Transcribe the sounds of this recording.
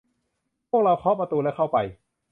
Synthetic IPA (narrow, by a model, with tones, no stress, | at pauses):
pʰu˥˩ək̚ɾa˧wkʰɔː˦˥pɾa˧t̪uː˧lɛː˦˥˩kʰa˥˩wpa˧j